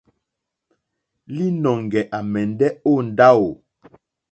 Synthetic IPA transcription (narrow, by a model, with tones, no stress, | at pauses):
li˦nɔ˨ŋ˨ɡɛ˨ʔa˨mɛ˨n˦dɛ˦o˦˨n̩˨da˦wo˨